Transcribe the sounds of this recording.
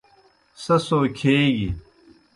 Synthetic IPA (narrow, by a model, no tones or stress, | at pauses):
sɐsoːkʰeːɡḭ